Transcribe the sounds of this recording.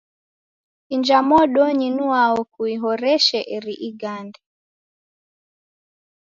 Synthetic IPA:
ind͡ʒamɔɗɔɲinuaɔkuiɦɔɾɛʃɛʔɛɾiʔiɡandɛ

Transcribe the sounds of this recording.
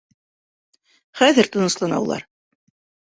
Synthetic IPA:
χæðɘɾt̪ɤ̆nɤ̆slˠɑnɑ̰wlˠɑ̰ɾ

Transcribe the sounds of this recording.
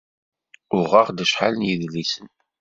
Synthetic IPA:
ʊʁaʁd̪əʃħa̰lnjiðlisən

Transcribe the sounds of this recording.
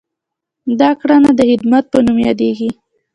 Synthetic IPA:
d̪ɑkɽanad̪əhɪd̪mat̪̚pənumjɑd̪eɡi

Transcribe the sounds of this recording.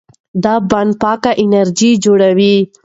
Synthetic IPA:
d̪ɑbaɳɖ̪̚pɑkaʔɪnaɾd͡ʒid͡ʒoɽawi

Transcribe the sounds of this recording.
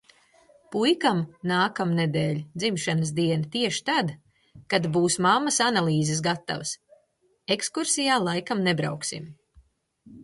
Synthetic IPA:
pujkamnaːkamned̪ɛːlʲd̪zimʃanəs̬d̪iɛnat̪iɛʃi̥t̪ad̪ | kad̪buːsmamːɐsanalˠiːzes̬ɡat̪ːa̰vəs | ekskuɾsijaːlˠajkamnebɾa̰wksḭm

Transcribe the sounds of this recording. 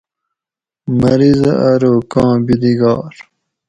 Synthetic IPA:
mɐɾizɐʔɐɾoːkɑ̃ːbid̪iɡɑ̰ːɾ

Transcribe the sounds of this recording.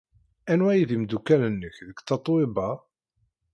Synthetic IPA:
ænwæjiðimd̪ukːælənːəçðəkːt͡sːɑt̪ˤːwebɑ

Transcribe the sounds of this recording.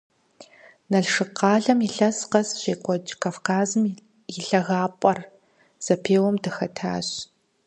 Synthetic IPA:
nɐɮʂɨqɑːɮɐmiɬɐsqɐsɕeːkʷʼɔd͡ʒkʰaːfkʰaːzɨm | jɪɬɐɣaːpʷʼɐr | z̥ɐpʰeːwɔmdɐxɐtʰa̰ːɕ

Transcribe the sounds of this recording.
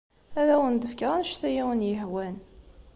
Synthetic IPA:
æðæwənd̪əfkəʁænʃθæjiwənjəhwæn

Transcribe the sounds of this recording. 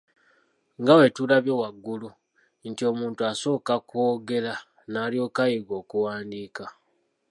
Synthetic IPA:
ŋɡawe̞tulaβjowaɡːulu | ntio̞muːntuaso̞ːkakwoːɡe̞la | naːljo̞ːkajiɡo̞ːkuwaːndiːka

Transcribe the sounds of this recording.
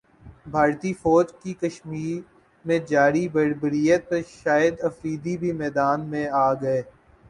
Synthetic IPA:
bʱaːɾt̪ifɔːd͡ʒkikɐʃmiːɾ | mẽd͡ʒaːɾibɐɾbəɾijət̪̚pɐɾʃaːjəd̪ɐfɾiːd̪ibʱimɛːd̪aːnmẽaːɡɐeː

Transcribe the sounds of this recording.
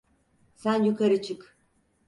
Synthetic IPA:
sænjykʰaɾɯt͡ʃʰɯk

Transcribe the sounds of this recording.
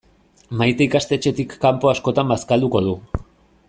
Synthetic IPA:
majt̪eikast̪e̞t͡ʃe̞t̪ikːampo̞asko̞t̪ambaskald̪uko̞ð̞u

